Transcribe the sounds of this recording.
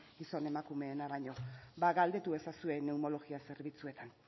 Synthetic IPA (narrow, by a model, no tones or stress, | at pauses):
ɡiso̞ne̞makume̞ːnaɾaɲo̞baɣald̪e̞t̪ue̞sasue̞ne̞umo̞lo̞ɣiase̞ɾβit͡sue̞t̪an